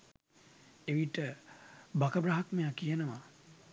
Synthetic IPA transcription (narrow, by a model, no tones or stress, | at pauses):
eʋiʈəbakəbɾaɦakmejakijənəʋa